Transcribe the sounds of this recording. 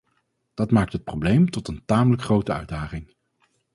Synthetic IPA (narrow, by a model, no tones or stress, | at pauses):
d̥ɑtmaːk̚tɦət̚prowblejmtɔtəntaːmələkχrowtəœ̰ɥdaːχɪŋ